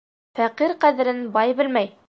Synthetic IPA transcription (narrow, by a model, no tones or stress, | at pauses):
fæqiɾqæðɘ̆ɾɘnbɑjbɘ̆lmæj